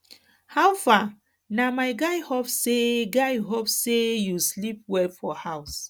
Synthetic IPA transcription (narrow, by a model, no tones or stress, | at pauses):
hawfa | namaɪɡaɪhopsseɡaɪɦopssejuslip̚wɛfɔhaʊs